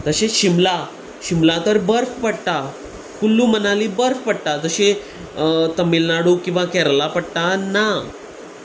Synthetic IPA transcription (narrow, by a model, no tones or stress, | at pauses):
t̪əɕeɕimla | ɕimlat̪əɾbəɾfpəɽt̪a | fulːumənaliːbəɾfpəɽt̪ad͡z̪əɕe | t̪əmilnaɽukĩw̃ʋakɛɾlapəɽt̪ana